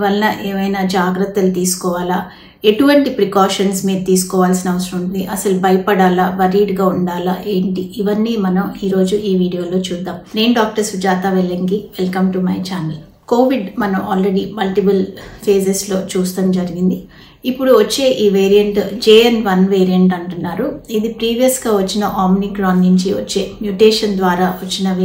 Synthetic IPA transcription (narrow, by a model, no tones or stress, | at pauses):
ʋɐlɐnɐʔeːmɐjnaːd͡ʒaːɡɾɐt̪ːɐlut̪iːsu̥kɔːʋaːlaː | e̞ʈuʋɐɳʈipɾikaːʂɐnsmiːɾɐt̪iːsu̥kɔːʋaːlsinɐɐʋɐsɐɾɐmunnd̪iʔɐsɐlubʱɐjɐpɐɽaːlaːʋɐɾiːɖɡaːuɳɖaːlaʔeːɳʈiiʋɐnːiːmɐnɐmiːɾo̞ːd͡ʒuʔiːʋiːɽijoːlo̞ːt͡ʃuːd̪ːaːmɾeːɳɖaːk̚ʈɐɾsud͡ʒaːt̪aːʋelːɐŋɡiʋelkɐmʈumɐjt͡ʃaːni | ko̞ːʋiɖmɐnɐmaːlɾeɽiːmɐlʈipɐlpʰeːseslo̞ːt͡ʃuːst̪ɐmd͡ʒɐɾiɡind̪i | ipːuɽuʋɐt͡ʃːe̞ːʔiːʋeːɾijɐɳʈd͡ʒeːɐnʋɐnʋeːɾijɐɳʈɐɳʈunːaːɾuid̪ipɾiːʋijɐsɡaːʋɐt͡ʃːinɐʔaːmnikɡɾaːnniɲt͡ʃiʋɐt͡ʃːe̞ːmjuʈeːʂɐnd̪ʋaːɾaːʋɐt͡ʃːinɐʋ